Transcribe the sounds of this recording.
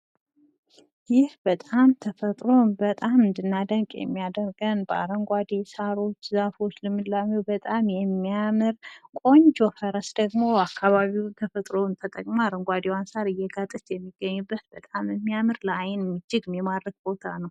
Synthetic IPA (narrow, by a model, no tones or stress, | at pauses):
jɪhb̥ət̪ʼamt̪ʰəfət̪ʼɾo̞bət̪ʼamːɨnd̪ɨnːad̪əŋkʼjɛ̰mːijad̪əɾɡənbəa̰ɾəŋɡʷad̪esaɾo̞t͡ʃːzafo̞t͡ʃːlɨmɨlːamewbət̪ʼamjɛmːijamɨɾkʼo̞ɲd͡ʒofəɾəsd̪̥əɡmo̞akʰːaβaβiwt̪ʰəfət̪ʼɾo̞nt̪ʰət̪ʼəkʼmaaɾəŋɡʷad̪ewansaɾɨjːɛɡat̪ʼɨt̪jɛmːiɡ̥ːəɲːubːət̪bət̪ʼamɨmːijamɨɾlajɪnmɨd͡ʒːɪɡɨmjɛmad̪ɾəɡ̚bo̞t̪ʰanəw